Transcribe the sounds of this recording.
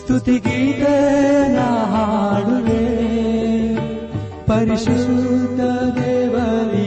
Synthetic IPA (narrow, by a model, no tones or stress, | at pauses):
st̪ʰut̪iɡiːt̪ɐjɐnaɦaɽud̪e | pɐɾiʃɾɾud̪ɐd̪eːʋɐli